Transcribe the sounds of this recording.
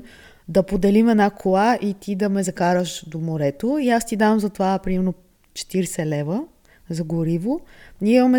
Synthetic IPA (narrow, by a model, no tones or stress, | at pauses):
d̪ɐpod̪ɛlimɛd̪nakʰolˠaʔit̪id̪ɐmɛzɐkaɾəʃd̪omoɾɛt̪oiast̪id̪amzɐt̪ovapɾimɛɾno | t͡ʃɛ̥t̪iɾsɛlɛvə | zɐɡoɾivonʲiɛimɐmɛ